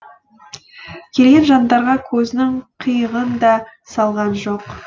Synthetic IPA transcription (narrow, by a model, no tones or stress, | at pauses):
kʲʰe̞lɡʲe̞nʒɑnd̪ɑɾʁɑkʲʰɵzɪnɪɴqʰijəʁənd̪ɑsɑlˠʁɑnʒo̞q